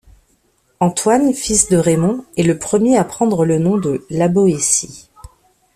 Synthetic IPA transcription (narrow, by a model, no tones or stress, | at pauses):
ɑ̃t̪wanfisd̪əʁemɔ̃ɛləpχəmjeapχɑ̃d̪ʁələnɔ̃d̪əlaboesi